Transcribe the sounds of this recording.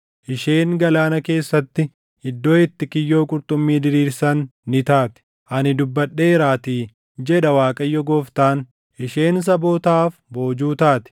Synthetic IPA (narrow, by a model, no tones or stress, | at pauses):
ʔɪʃe̞ːŋɡɐlaːnɐke̞ːsːɐt̪ːɪ | ɪd̪ːoːɛt̪ːɪkɪjːo̞ːkʼʊɾt̪ʼʊmːiːd̪ɪɾiːɾsɐnːɪt̪aːt̪ɪ̥ | ʔɐnɪd̪ʊbːɐɗːe̞ːɾaːt̪iː | d͡ʒɛᶑɐwaːkʼɐjːɔɡoːft̪aːn | ʔɪʃe̞ːns̬ɐbo̞ːt̪aːfbo̞ːd͡ʒuːt̪aːt̪ɪ̥